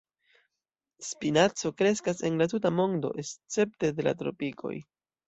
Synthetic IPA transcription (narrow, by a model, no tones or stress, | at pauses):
spinat͡so̞kɾe̞skase̞nlatut̬amo̞ndo̞̰ʔe̞st͡se̞p̚te̞de̞la̰tɾo̞̰pikʰo̞̰j